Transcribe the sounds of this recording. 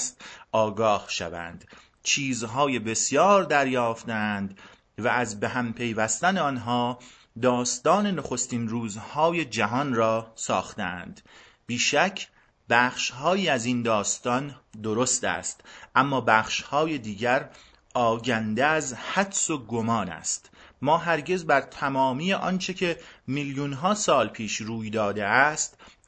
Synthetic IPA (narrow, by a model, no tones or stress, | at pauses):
st̪ɒːɡɒːhʃæ̰væ̰nd̪̥ | t͡ʃʰiːzɦɒːje̞be̞sjɒːɾd̪æɾjɒːft̪eænd̪ | vææzbe̞ɦæmpʰe̞jvæst̪æneɒnɦɒː | d̪ɒːst̪ɒːne̞noxo̞st̪inruːzhɒːje̞d͡ʒæɦɒnrɒːsɒːχt̪eæ̰nd̪̥ | b̥iːʃæcʰ | bæːχʃhɒːjiːæzind̪ɒːst̪ɒnd̪o̞ɾo̞st̪æ̰ːst̪ʔæmːɒːbæːχʃhɒːje̞d̪iːɟæɾ | ɒːɟænd̪eæzhæd̪so̞ɡomɒːnæ̰st̪mɒːɦæɾɟe̞zbæɾt̪ʰæmɒːmiːje̞ʔɒ̰nt͡ʃʰecʰemiljunɦɒːsɒːlpʰiːʃɾuːjd̪ɒːd̪eæst̪